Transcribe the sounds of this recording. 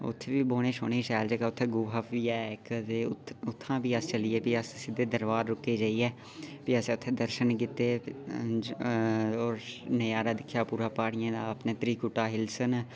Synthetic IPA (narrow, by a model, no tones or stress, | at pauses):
ʊ̰t̪ʰːeːʋiːboːɽ̃eːso̰ːɽ̃eːʃɛːld͡ʒeːkaːʊt̪ʰːeːɡuːɦaːpʰiːɛːkt̪eːʊt̪ʰːãːbiːəst͡ʃəliːeːpiːəssɪd̪eːd̪əɾʋaːɾɾʊkːeːd͡ʒaːiːɛː | piəsẽːʊt̪ʰːeːd̪əɾʃənkɪt̪ːeː | oːɾnəjaːɾaːd̪ɪkʰːjaːpuːɾaːpaːɽɪjãːd̪aːəpnẽːt̪ɾiːkʊʈaːɦɪlsən